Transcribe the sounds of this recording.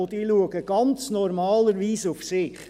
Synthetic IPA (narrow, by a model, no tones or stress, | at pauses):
odiːluəɡəɡ̥ɑnt͡snɔɾmɑːləɾʋiːsufsɪχ